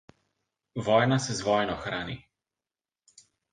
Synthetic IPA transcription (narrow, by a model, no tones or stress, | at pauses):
ʋɔːjnasɛzʋɔjnɔxɾaːnḭ